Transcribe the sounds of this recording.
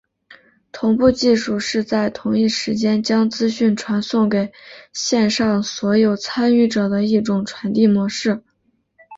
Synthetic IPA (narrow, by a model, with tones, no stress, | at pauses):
t̪ʰʊ˧˥ŋpu˥˧t͡ɕi˥˧ʂu˥˧ʂɻ̩˥˧t͡sa˥˩ɪt̪ʰʊ˧˥ŋi˥˩ʂɻ̩˧˥t͡ɕjɛ˥nt͡ɕjɑ˥ŋt͡sɹ̩˥ɕy˥˩nʈ͡ʂʰwa˧˥nsʊ˥˩ŋke˨˩ɪɕjɛ˥˧nʂɑ˥˩ŋswɔ˧˥jo˨˩ʊt͡sʰa˥ny˥˩ʈ͡ʂɤ˨˩d̪ə˦i˥˩ʈ͡ʂʊ˨˩ŋʈ͡ʂʰwa˧˥nt̪i˥˩mwɔ˧˥ʂɻ̩˥˩